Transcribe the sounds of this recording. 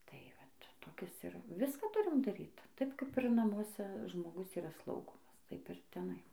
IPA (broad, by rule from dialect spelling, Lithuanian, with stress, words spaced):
tɐɪ ˈʋɐt toːˈkʲɪs ˈɪr ˈʋʲɪskɑː ˈtʊrʲɪm dɐˈrʲiːt ˈtɐɪp ˈkɐɪp ɪr nɐmuɔˈsʲɛ ʒmoːˈɡʊs iːˈrɑːˈslˠɐʊɡoːmɐs ˈtɐɪp ɪr tʲɛˈnɐɪ